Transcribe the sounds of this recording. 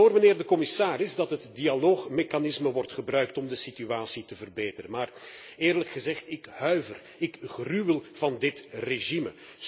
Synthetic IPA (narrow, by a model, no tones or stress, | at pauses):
oːrməneːrdəkɔmɪsaːrɪzdɑtɦətdialoːxmekanɪsməʋɔrtχəbrœɥk̚tɔmdəsityaːsitəvərbeːtəɾəmaːrɪːrləkxəzɛχtɪkhœɥvər | ɪkɣrywəlˠv̥ɑndɪtreʒimə